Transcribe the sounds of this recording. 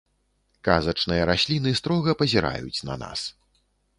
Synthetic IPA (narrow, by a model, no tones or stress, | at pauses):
kazɐt͡ʂnɨjɐɾasʲlʲinɨst̪ɾɔɣɐpɐzʲiɾa̰jut͡sʲnɐ̰na̰s